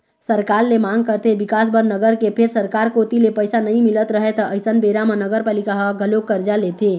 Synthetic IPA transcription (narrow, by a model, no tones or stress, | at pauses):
səɾkaɾlemaŋɡkəɾt̪ʰebikas̬bəɾnəɡəɾkepʰeɾsəɾkaɾkot̪ilepəjsanəj̃milət̪ɾəɦet̪ɔəjsənbeɾamənəɡəɾpalikaɦɡʱəlokːəɾd͡ʒalet̪ʰe